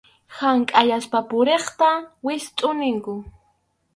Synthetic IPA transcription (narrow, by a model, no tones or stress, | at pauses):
haŋkʼajaspapʊɾeχt̪awɪst̪ʼʊnɪŋkʊ